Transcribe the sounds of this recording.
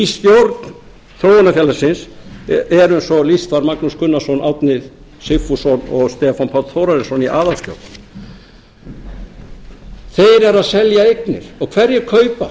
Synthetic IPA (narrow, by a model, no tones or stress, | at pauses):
ist̪jowɾt̪n | θɾowanafjɛːlasɪnsɛɾʏnsɔlist̪faɾmaknuskʰʏnːasɔnʔawt̪nɪð | sɪfusɔnɔɣst̪ɛːfanpʰawt̪θowɾaɾɪsɔniʔaːðast̪jo̰wɾt̪n | θejɾɛɾaðsɛljaejknɪ̰ɾ̥ɔɣkʰv̥ɛɾjɛkʰœːɥpa̰